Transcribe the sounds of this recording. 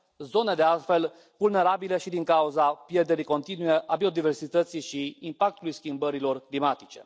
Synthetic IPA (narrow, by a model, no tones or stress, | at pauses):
zo̞ne̞d̪ealt̪fe̞l | vulne̞ɾabile̞ʃid̪iŋkauzapje̞rd̪e̞ɾiko̞nt̪inuje̞ʔabio̞d̪ive̞rsit̪ət̪siʃiimpak̚t̪ulujskʲimbəɾilo̞rklimat̪it͡ʃe̞̰